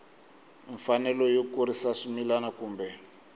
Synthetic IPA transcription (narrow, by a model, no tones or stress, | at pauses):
iɱfanɛlɔjokuɾisaʂumilanakuːmbɛ